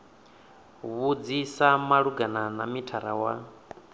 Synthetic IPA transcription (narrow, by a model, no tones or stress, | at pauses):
βud͡zisamaɺuɡananamitʰaɾawa̰